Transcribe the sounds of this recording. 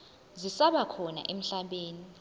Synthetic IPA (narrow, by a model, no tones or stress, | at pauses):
zisaɓakʰɔna̰ʔem̩ɬaɓeːni